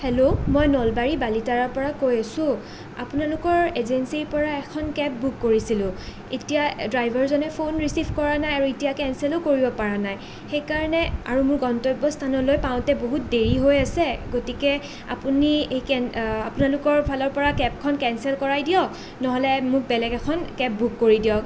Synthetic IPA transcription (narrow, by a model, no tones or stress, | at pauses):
helomɔjnɔlbaɹibalitaɹɔɹpɔɹakojasʊ̃ | a̰pʊnalʊkɔɹezensiɹpɔɹaɛkʰɔnkɛp̚bukːoɹisilʊ̃ | ḛtijadɹajbʱɔɹzɔnɛpʰonɹisibʱkɔɹanajaɹuitijakɛnsɛlokoɹibɔpaɹanaj | xejkaɹɔnɛa̰ɹumʊɹɡɔntɔjbɔstʰanɔlojpaʊ̃tɛboɦut̚deɹiɦojasɛɡotikɛ | a̰puniejkɛnapunalʊkɔɹpʰalɔɹpɔɹakɛp̚kʰɔnkɛnsɛlkɔɹajdijɔk | nɔɦɔlɛmʊk̚bɛlɛɡɛkʰɔnkɛp̚bukːoɹidiɔk̚